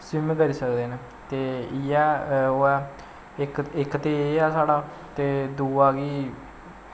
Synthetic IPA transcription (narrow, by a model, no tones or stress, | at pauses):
sɪmkəɾiːsəkd̪eːneː | t̪eːɪjɛːoɛː | ɪkɪkt̪eːaːsaːɽaː | t̪eːd̪uːaːɡiː